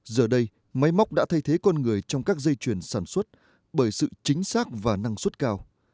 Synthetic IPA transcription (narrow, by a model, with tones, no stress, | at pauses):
zəː˨˩ɗə˧j | ma˨˦jma˦˥wk͡p̚ɗa̰ː˧˥t̪ʰa˧jt̪ʰe˨˦kɔ˧nŋɨ˨˩əjt͡ɕɔ˧wŋ͡mkaː˦˥k̚zə˧jt͡ɕwi˧˩ənsaː˧˩nswə˦˥t̚ | ɓəː˧˩jsɨ̰˧˨t͡ɕï˨˦ŋ̟saː˦˥k̚vaː˨˩na˧ŋswə˦˥t̚kaː˧w